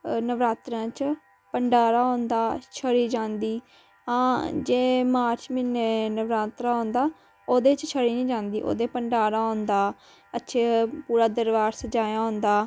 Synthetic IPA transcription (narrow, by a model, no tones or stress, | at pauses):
nəʋɾaːt̪ɾãːt͡ʃ | pəɳɖaːɾaːɦõːnd̪aːt͡ʃʰəɽiːd͡ʒãːnd̪iː | ãːd͡ʒeːmaːɾt͡ʃmiːnenəʋɾaːt̪ɾãːɦõːnd̪aː | oːd̪eːt͡ʃt͡ʃʰəɽiːnĩːd͡ʒãːnd̪iːʔo̰ːd̪eːpəɳɖaːɾaːɦõːnd̪aː | ətːʃʰeːpuːɾaːd̪əɾʋaːɾsəd͡ʒaːjãːɦʊ̃nd̪aː